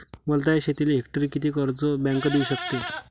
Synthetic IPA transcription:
məlt̪̬aeɕet̪ileɦek̚ʈəɾiːkit̪iːkəɾt͡səbɛ̃ŋkəd̪euɕəkt̪e

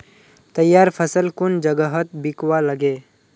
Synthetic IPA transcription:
t̪ɐjːaːɾpʰəsəlkʊnd͡ʒəɡəɦət̪̚bɪkwaləɡeː

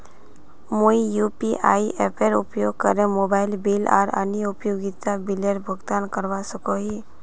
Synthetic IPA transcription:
moijuːpiʔa̰ːiʔepʰeɾʊpjoːɡ̚kəɾẽmoːbaːɪlbilɔ̰ːɾə̰niʊpjoːɡit̪abileɾbʱəɡt̪ankəɾʋasəkoɦi

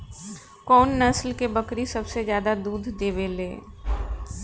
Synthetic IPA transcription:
kɔːnːɐslkebəkɾisɐbsezjaːd̪ad̪uːd̪ʱd̪eːʋeleː

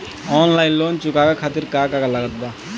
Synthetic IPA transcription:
ɔːnlaːjnloːnt͡ʃʊkakakʰaːt̪iɾkakakalaɡət̪̚b̪a

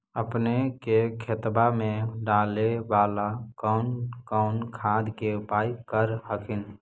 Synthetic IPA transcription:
əpnekekʰet̪bamẽɖaːleʋaːlakɔnkɔʊnkʰaːd̪kebaːjkəɾɦəkʰɪn

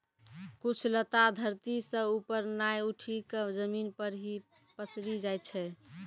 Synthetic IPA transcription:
kut͡ʃʰlət̪ad̪ʱəɾt̪isə̃upəɾnajuʈʰikəd͡ʒəminpəɾɦi | pəsɾid͡ʒaj̪t͡ʃʰɛ

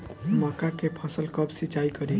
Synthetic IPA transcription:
mɔkakepʰʌsəlkʌpsit͡ʃaikʌɾĩ

